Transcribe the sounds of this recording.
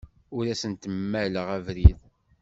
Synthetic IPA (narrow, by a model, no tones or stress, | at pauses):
ʊɾæsənt̪əmːæləʁævɾið